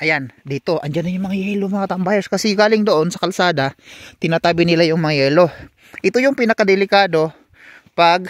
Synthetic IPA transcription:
ʔɐjand̪iːt̪o̞ʔɐnd͡ʒanɐɲʊŋmɐŋajɛlomɐŋat̪ɐmbaːjɛɾskɐsɛɡaːlɪŋd̪oʔo̞nsɐkɐlsaːd̪at̪ɪnat̪aːbɪnɪlajʊŋmɐŋajɛːlo̞ | ʔɪt̪ojʊŋpinɐkad̪ɛlɪkaːd̪o̞ | pɐɡ̚

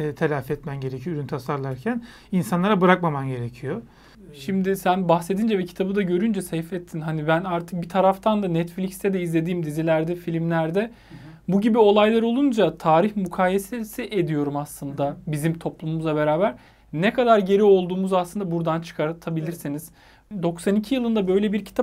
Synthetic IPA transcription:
ɛːt̪ʰelʲafɛt̪mænɟe̞ɾecʰyjoyɾynt̪ʰasaɾlˠaɾcʰæn | insanlˠaɾabɯɾakmamanɟe̞ɾecʰijo | ʃimd̪ɪsænbaxse̞d̪ind͡ʒɛvɛcʰi̥t̪ʰabɯd̪aɟø̞ɾynd͡ʒɛsɛjfɛt̪ʰːinɦanibænaɾt̪ʰɯ̥k̚bit̪ʰaɾaft̪ʰand̪anɛt̪flʲicst̪ʰɛd̪ɛizlʲe̞d̪iːmd̪izilʲæɾd̪ɛfilʲimlʲæɾd̪ɛ | buɟibio̞lˠajlˠaɾo̞lˠund͡ʒat̪ʰaːɾiçmukʰaːjesesiʔed̪ijo̞ɾumaslˠɯnd̪abizimt̪ʰo̞plˠumumuzˠabe̞ɾaːbæɾ | nekʰad̪aɾɟe̞ɾio̞lˠd̪uːmuzaslˠɯnd̪abuɾd̪ant͡ʃʰɯ̥kʰaɾt̪ʰabilʲiɾsiniz̥ | d̪o̞ksanicʰijɯlˠɯnd̪abø̞jlʲebiɾcʰi̥t̪ʰa

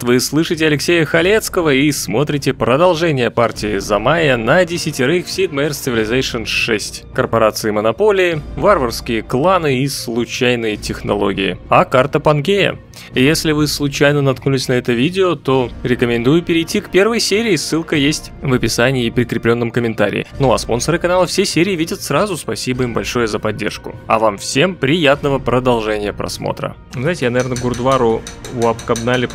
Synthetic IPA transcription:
t̪vɨslˠɨʂɨtʲɪɐlʲɪksʲejəxɐlʲet̪skəvəismo̞t̪ɾʲɪtʲɪpɾəd̪ɐlˠʐɛnʲɪjəpartʲɪɪzɐmajənɐdʲɪsʲɪtʲɪɾɨxfsʲit̪mɐrst̪ʲɪvɪlʲɪzajʂɨnʂɛsʲtʲkərpɐɾat̪sɨɪmənɐpo̞lʲɪɪvarvərskʲɪjəklˠanɨislˠʊt͡ɕæjnɨjətʲɪxnɐ̰lˠo̞̰ɡʲɪjɪ̰ɐkart̪əpɐnɡʲejə̰ | jesʲlʲɪvɨslˠʊt͡ɕæjnənɐt̪knulʲɪsʲnɐɛt̪əvʲidʲɪot̪oɾʲɪkəmʲɪnd̪ujʊpʲɪɾʲɪjtʲːikpʲe̞rvəjsʲeɾʲɪːsːɨlˠkəjesʲtʲvəpʲɪsanʲɪːpɾʲɪkɾʲɪplʲo̞nːəmkəmʲɪnt̪aɾʲɪ̰ɪ̰nuɐspo̞nsəɾɨkɐnalˠəfsʲesʲeɾʲɪːvʲidʲət̪sɾazʊspɐsʲibəimbɐlʲʂo̞jəzəpɐdʲːḛrʂkʊ̰ɐ̰vamfsʲempɾʲɪjat̪nəvəpɾəd̪ɐlˠʐɛnʲɪjəpɾɐ̰smo̰t̪ɾə̰ | zajɪtʲɪjanɐvʲernəɡʊrd̪ʊaɾʊʊɐpkɐbnalʲɪ

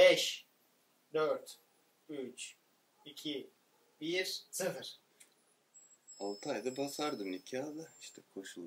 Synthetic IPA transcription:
bɛʃ | d̪øɾt̪ | yt͡ʃ | icʲʰi | biɾsʰɨfɯɾ̥ | alˠt̪ʰajd̪abasaɾd̪ɯmicʲʰaːd̪aiʃt̪ʰɛkʰo̞ʃulˠ

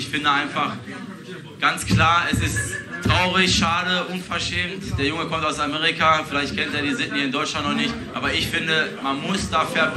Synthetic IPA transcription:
ɪçfɪndəaɪnfaχ | ɡ̥ant͡sklaːɐɛsɪsttʁ̥aʊʁɪçʃaːdəʔʊnfɛɐʃɛːmtd̥eːɐjʊŋəkʰɔmtaʊsameːʁɪkafɪlaɪçtkʰɛnteːɐdiːzɪtn̩hiɐɪndɔʏt͡ʃlantnɔχnɪçtʔʔaːbɐɪçfɪndəmanmʊsd̥aːfɛɐp

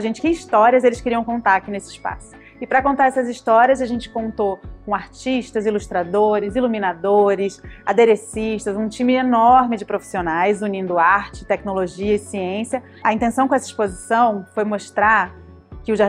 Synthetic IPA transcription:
aʒẽnt͡ʃɪ̥kɪiʃt̪ɔɾiɐzelɪskɪɾiɐ̃w̃kõnt̪aɾakinesɪispa̰sʊ̥ | ɪpɾɐkõnt̪aɾɛsɐziʃt̪ɔɾiɐzaʒẽnt͡ʃɪ̥kõnt̪okõaɾt͡ʃiʃt̪ɐziluʃt̪ɾad̪oɾɪzilumĩnad̪oɾɪsa̰d̪eɾesiʃt̪ɐzũt͡ʃĩmɪenɔɾmɪd͡ʒɪpɾofi̥sionajzunĩnd̪ʊaɾt͡ʃɪ̥t̪ɛknoloʒiɐɪsiẽsjɐ | ɐĩnt̪ẽsɐ̃kõɛsɐi̥spozisɐ̃w̃fojmoʃt̪ɾa | kɪʊʒa

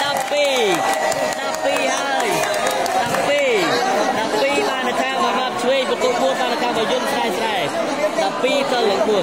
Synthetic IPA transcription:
ɗapːiː | ɗapːiːhaəj | ɗapːiːɗapːiːɓaːnːət̪ʰaːɓaɓap̚t͡ɕʰʋeːŋ̚pɔt̪uəpʰuət̚ɓaːnːat̪ʰaːɓajʊ̆ənsʰɾaɛsɗaɛ | ɗapːiːsəlːəŋpʰuət̚

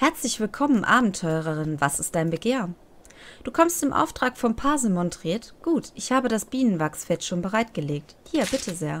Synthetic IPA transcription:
hɛɐt͡slɪçv̥ɪlkʰɔmənʔa̰ːbm̩tʰɔʏəʁ̞əʁɪnvasɪstd̥aɪnbəɡeːɐ | d̥uːkʰɔmstɪmʔa̰ʊftʁ̥aːkfɔmpʰaːzəmɔntʁ̥iːɐtɡ̥uːtʔɪçhaːbədasb̥iːnənvaksfɛtʃoːnbəʁaɪtɡ̥əleːk̚thiːɐbɪtʰəzeːɐ

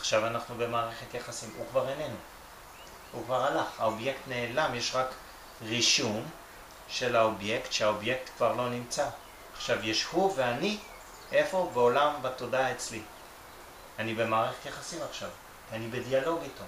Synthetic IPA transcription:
aχʃavanaχnube̞maːʁeχe̞t̪jaχasimukvaʁenenu | hukvaʁalaχha̰obje̞ktne̞ːlamjeʃʁak | ʁiʃum | ʃe̞laobje̞ktʃeaobje̞k̚t̪kvaʁlo̞nimt͡saː | χʃavjeʃhuve̞ani | ʔe̞fo̞beolambato̞daet͡sli | anibe̞maːʁeχe̞tjaχasimaχʃav | kianibedialo̞ɡito

